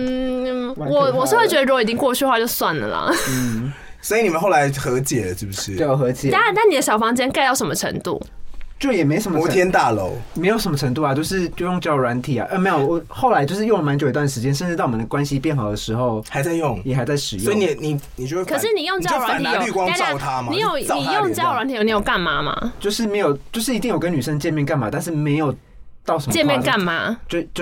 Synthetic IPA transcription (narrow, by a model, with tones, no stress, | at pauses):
n̩˥˩wɔ˨˩wɔ˨˩ʂ̩˥˧we˥˩t͡ɕɥɛ˧˥d̪ə˧ɻu˧˥o˨i˨˩t͡ɕĩ˥ŋkwɔ˥˧t͡ɕʰy˥˧wa˥˧t͡ɕjo˥˧ʊswa˥˩nlə̰˩lɐ̰˩n̩˥˩ | sɔ˧˥i˨˩ni˨˩mə˦nxo˥˩ʊla˧ɪxɤ˧˥t͡ɕjɛ˨˩lə˦ʂɻ̩˥˩bu˨˩ʂɻ̩˥˩t͡ɕo˨˩xɤ˧˥t͡ɕjɛ̰˨˩a˥˨˧t̪a˥˩ni˨˩d̪ə˦ɕjɑ˨˩ʊfɑ˥ŋt͡ɕjɛ˥nka˥ɪt̪ɑ˥˩ʊʂə˧˥mə˧ʈ͡ʂʰə̰˧˥ŋt̪ṵ˥˩t͡ɕjo˥˩ʊjɛ˨˩me˧˥ɪʂə˧˦mə˧˦t̪ʰjɛ˥nt̪a˥˩lo̰˧˦˥ʊme˧˥o˨ʊʂə˧˦nmə˧ʈ͡ʂʰə˧˥ŋt̪u˥˩a˨˩t͡ɕjo˥˧ʊʂɻ̩˥˧t͡ɕjo˥˧ʊjo˥˧ŋt͡ɕjɑ˥˩ʊɹwa˧˥nt̪ʰi˨˩a̰˨˩ʔə˥˩me˧˥ɪjo˨˩wɔ˨˩xo˥˩ʊla˧˥ɪt͡ɕjo˥˧ʊʂɻ̩˥˧jo˥˩ŋlə˩ma˧˦nt͡ɕo˨˩i˧t̪wa˥˩nʂɻ̩˧t͡ɕjɛ˥nʂə˥˧nʈ͡ʂɻ̩˥t̪ɑ˥˩ʊwmə˩ə˩kwa˦nɕi˦pjɛ˥˩nxɑ˨˩ʊd̪ə˩ʂɻ̩˧˥xo˥˧ʊxa˧˦ɪt͡sa˥˧ɪjʊ˥˨ŋjɛ˨˩xa˧˥ɪt͡sa˥˩ɪʂɻ̩˨˩sjo˧˥˧ni˨˩ni˨˩ni˨t͡ɕjo˥˧we˥˧kʰə˨˩ʂɻ̩˥˨ni˨˩jo˥˧ŋt͡ɕʊwa˧˦nʰi˨˧˦y˥˧kwɑ˥˦ŋ˥˨ʊt̪ʰa˦m˧ni˨˥˦jo˨˩ʊ˥˨ni˨˩jo˥˧ŋt͡ɕjɑ˥˨ʊɻa˧˦nt̪ʰi˨jo˨˩ni˧˩jo˨˩ka˥˩nma˨˥ma̰˧t͡ɕjo˥˧ʊʂɻ̩˥˩me˧˥ɪjo˨˩ʊt͡ɕjo˥˧ʊʂɻ̩˥˩i˧t̪i˥˩ŋjo˨˩kə˦ny˨˩ʂə˦˥ŋt͡ɕjɛ˥˧nmjɛ˥˧ka˥˩nma˨˩t̪a˥˧nʂ̬ɻ̩˥˩me˧˥ɪjo˨˩ʊ | t̪ɑ˥˩ʊʂə˧m˦t͡ɕjɛ˥˧nmjɛ˥˧nka˥˩nma̰˧˩t͡ɕo˥˧t͡ɕ